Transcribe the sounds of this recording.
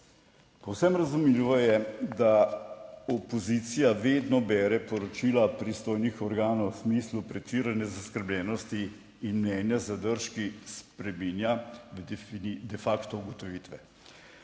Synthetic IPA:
pɔwsɛmɾazumilʋɔjɛd̪a | ɔpɔzit̪sijaʋeːd̪nɔbɛːɾɛpɔɾɔt͡ʃilapɾist̪oːjnixɔɾɡaːnɔwsmiːslupɾɛt͡ʃiːɾanjɛzaskəɾblʲjʲɛːnɔst̪iː | nmnɛnjazad̪əɾʃkispɾɛminjad̪inid̪ɛfakt̪ɔuɡɔt̪ɔʋiːt̪ʋɛ

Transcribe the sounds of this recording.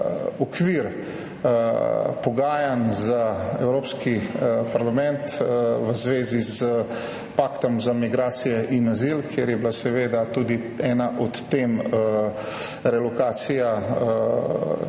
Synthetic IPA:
ɔkʋiːɾ | pɔɡaːjanzaɛwɾoːpskipaɾlamɛnt̪ʋəzʋeːzizə | paːkt̪ɔmzamiɡɾaːsijɛʔinazilkʰjeɾjɛbilasɛʋeːd̪at̪uːd̪i | ɛːnaʔɔt̪ːem | ɾɛlɔkaːt̪sija

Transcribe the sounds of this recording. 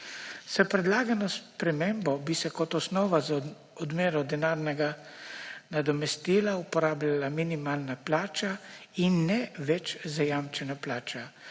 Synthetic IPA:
sapɾɛd̪laːɡanɔspɾɛmembɔbisɛkɔt̪ɔsnɔːʋaz | ɔd̪meːɾɔd̪ɛnaːɾnɛɡa | nad̪ɔmɛst̪iːlaupɔɾaːblʲalaminimaːlnaplaːt͡ʃainːɛʋɛt͡ʃzajamt͡ʃɛnaplaːt͡ʃa

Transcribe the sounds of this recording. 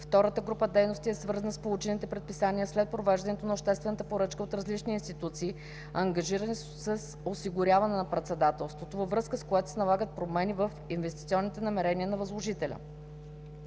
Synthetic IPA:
ft̪ɔɾət̪əɡɾupəd̪ɛjnost̪iɛsvɤɾzənəspolˠut͡ʃɛnit̪ɛpɾɛt̪̚pisaniəslɛt̪̚pɾovɛʒd̪ɐnɛt̪onɐopʃt̪ɛst̪vɛnət̪əpoɾɤt͡ʃkəot̪ɾɐzlit͡ʃniːnst̪it̪ut̪siː | ɐŋɡɐʒiɾəni | səs | osiɡʊɾʲavɐnɛnɐpɾɛt̪sɛd̪at̪ɛlˠst̪vot̪ovəvɾɤskəskoɛt̪o̥sɛnɐlˠaɡət̪̚pɾomɛnivəfinvɛst̪it̪siɔnːit̪ɛnɐmɛɾɛniənɐvɐzlˠoʒit̪ɛlʲə̰

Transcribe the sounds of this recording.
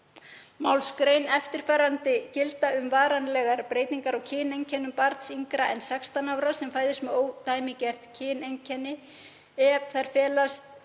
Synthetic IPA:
mawlskɾeːjnɛft̪ɪɾ̥fɛːɾant̪ɪcɪlt̪aʏmvaːɾanlɛɣaɾpɾeːjt̪niŋkaɾawcʰɪːnejɲcʰɛnʏmpaɾt̪siŋkɾaʔɛnsɛkst̪anawɾasɛmfaːjðɪst̪mɛðoːwt̪aːjmɪcɛr̥t̪cʰɪːnejɲcʰɛnːɪ | ɛθaɾ̥fɛːlast̪

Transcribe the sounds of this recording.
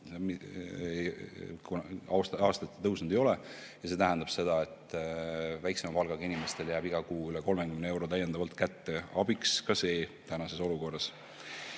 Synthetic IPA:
kunɑst̪ɑːst̪ɑt̪ːe̥t̪ɤwsnd̪ejo̞lɛ | jɑse̞ːt̪æɦænd̪̥ɑb̥se̞d̪̥ɑet̪ːˑ | væjksemɑpɑlɡ̥ɑɡɑinimest̪e̞ljæːbiɡ̥ɑkuːylɛko̞lmekymnee̞wɾo̞t̪æjːend̪̥ɑvɑlt̪kæt̪ːe̞ɑbikskɑse̞ːt̪ænɑse̞so̞luko̞rːɑs

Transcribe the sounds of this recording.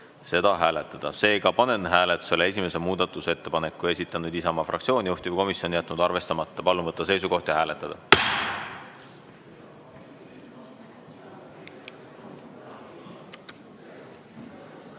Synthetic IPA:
se̞d̪̥ɑɦæːle̞t̪ːˑɑd̪̥ɑse̞ːɡ̥ɑpɑnenɦæːlet̪ːˑu̥se̞lee̞s̬ʲime̞semuːd̪̥ɑt̪ːˑuse̞t̪ːe̞pɑne̞kːˑue̞sit̪ːˑɑnud̪̥isemɑfrʔɑ̰kt̪sio̞ːnʲijuht̪ivəjko̞misjo̞nijæt̪ːˑnud̪̥ɑrve̞st̪ɑmɑt̪ˑːɑpɑlːuvɤt̪ːɑse̞jsuko̞ht̪jɑhæːle̞t̪ːˑɑd̪̥ɑ

